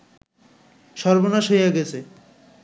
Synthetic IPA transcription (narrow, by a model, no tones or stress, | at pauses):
ʃɔɾbonaʃɦojeɡɛt͡ɕʰe